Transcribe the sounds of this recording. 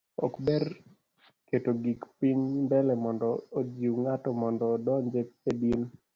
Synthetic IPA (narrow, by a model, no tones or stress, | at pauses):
ɔ̰kbɛr | ketoɡikpiɲnbɛlɛmɔndɔod͡ʒiwŋatɔmɔndɔdɔɲd͡ʒetsedin